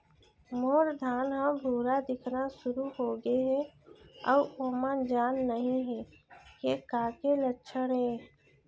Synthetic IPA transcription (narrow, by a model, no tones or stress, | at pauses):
moːɾd̪ʱaːnɦə̃bʱuːɾad̪ɪkʰnasʊɾuɦoːɡeɦɛɔːoːmãnd͡ʒaːnːəɦĩɦɛːkekaːkelətːʃʰəɽɦɛ̃